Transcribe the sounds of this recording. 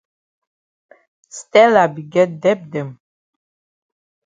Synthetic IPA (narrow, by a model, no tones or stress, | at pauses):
st̪ʼɛlabiɡɛd̪ɛb̚d̪ɛm